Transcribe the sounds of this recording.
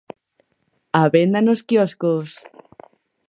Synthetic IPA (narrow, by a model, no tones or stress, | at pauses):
aβend̪anoskjɔskos